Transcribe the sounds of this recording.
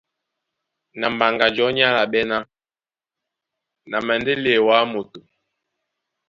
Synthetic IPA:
na˨m̩ba˨ŋɡa˨d͡ʒɔ˨˦ɲa˦la˨ɓɛ˦na˦ | na˨mɛ˨n˦de˦le˨wa˨˦mo˨to˨

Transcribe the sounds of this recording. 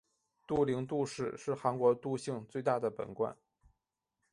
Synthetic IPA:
t̪u˥˩li˧˥ŋt̪u˥˧ʂɻ̩˥˩ʂɻ̩˥˩xa˧˥nkwɔ˧˥t̪u˥˧ɕi˥˧ŋt͡swe˥˧ɪt̪a˥˩d̪ə˩pə̰˨˩nkwa̰˥˩˦n

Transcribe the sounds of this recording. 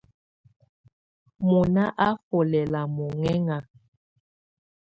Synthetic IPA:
mo˨na˦ʔa˦fo˨lɛ˨la˨mo˨ŋɛ˦ŋa˨

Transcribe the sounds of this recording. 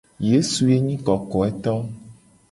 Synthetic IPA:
je˦su˨je˦ɲĩ˦kɔ˨kɔ˨ɛ˦t̪ɔ˦

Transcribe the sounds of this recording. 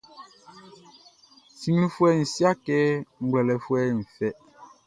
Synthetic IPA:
si˨ŋ˦i˦fwɛ˦˨n̩˨sja˦kɛː˦ŋ̩˦ɡwlɛ˨lɛ˨fwɛː˦n̩˨fɛ˦ʔ

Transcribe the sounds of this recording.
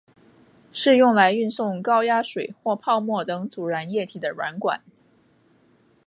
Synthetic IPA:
ʂɻ̩˥˧jʊ˥˩ŋla˧˥ɪy˥˧nsʊ˥˩ŋkɑ˥ʊja˥ʂwe˨˩ɪxwɔ˥˧pʰɑ˥˧ʊmwɔ˥˩t̪ɤ˧˥ŋt͡su˨˩ɻa˧˥njɛ˥˩t̪ʰi˨˩d̪ə˦ɻwa̰˧˥nkwa̰˨˩˦n

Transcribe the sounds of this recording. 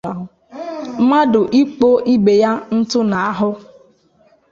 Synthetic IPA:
ma˦dʊ˨ʔi˦k͡po˦ʔi˦be˨ja˦n̩˦tʊ˦na˨a˨ɦʊ˦

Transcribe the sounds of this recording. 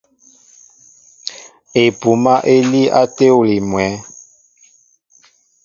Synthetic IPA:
e˨pu˨ma˦ʔe˦li˦ʔa˦te˦u˨li˨mwɛ˨˦

